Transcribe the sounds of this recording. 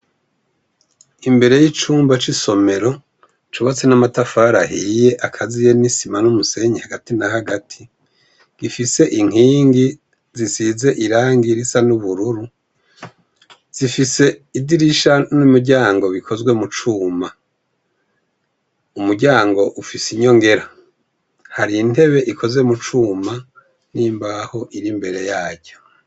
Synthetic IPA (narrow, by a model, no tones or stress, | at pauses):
imbe̞ɾe̞jit͡ʃuːmbat͡ʃiso̞me̞ɾo̞ | t͡ʃuβat͡se̞namatafaːɾahije̞ʔakʰazije̞nisimanumuse̞ɲehaɡatinaɦaɡatʰi | ɡ̥ifise̞ʔiŋ̥hiːŋɡi | zisize̞ʔiɾaːŋɡiɾisanuβuɾuɾu | z̥ifise̞idiɾiʃanumiɟaːŋɡo̞βikʰo̞zɡwe̞mut͡ʃuːma | umuɟaːŋɡo̞ʔufisiɲo̞ŋɡe̞ɾa | haɾiːn̥e̞βe̞ʔikʰo̞ze̞mut͡ʃuːma | niːmbaho̞ʔiɾimbe̞ɾe̞jaːɟɟo